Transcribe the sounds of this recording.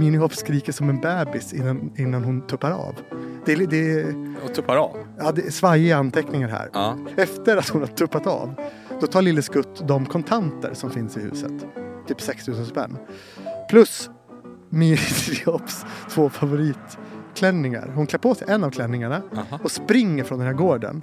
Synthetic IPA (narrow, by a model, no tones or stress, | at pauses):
miːnɪhɔfskɾiːkəʂɔmɛnbɛːbɪsɪnːanɪnːanɦʊnt̪ʰɵpːaɾɑ̰ːvd̪̥ɛd̪ɛɔt̪ʰʊpːaɾ̰ɑːd̪ɛsvaɾjəant̪ʰɛknɪŋaɾɦæ̰ːɾɛft̪əɾat̪hʊnhaʈʰɵpːat̪a̰ːv | d̪ɔt̪ʰɑːlɪlːəskɵt̪ːd̪ɔmkʰɔnt̪ʰant̪ə̰ɾsɔmfɪnsɪhʉ̟ːsə̰t̪ʰːyːpsɛkst̪ʰʉ̟ːsənspɛ̰nː | pʰlɵs | miːɾɪsɪɔpst̪ʰvoːfavʊɾiːt̪kʰlɛnːɪŋa̰ɾhʊnkʰlɛpʰoːsɛjʔɛnːavkʰlɛnːɪŋaɳaɔspɾɪŋːəɾfɾɔnd̪ɛnɦæːɾɡoːɖə̰n